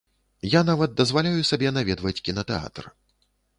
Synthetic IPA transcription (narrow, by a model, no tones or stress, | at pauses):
janavɐd̪̚d̪ɐzvalʲajusabʲɛnavʲɛd̪vɐt͡sʲkʲinɐt̪ɛa̰t̪r